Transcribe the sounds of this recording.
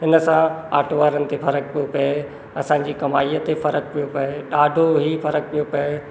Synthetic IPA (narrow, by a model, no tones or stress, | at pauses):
ɦɪnəsãaːʈʰoʋaːɾənɪ̆t̪efɐɾək̚pijopɐe | ɐsã̆ːd͡ʑiːkɐmaːiːət̪efɐɾək̚pijopɐeɗaːɖʱoɦiːfɐɾək̚pijopɐe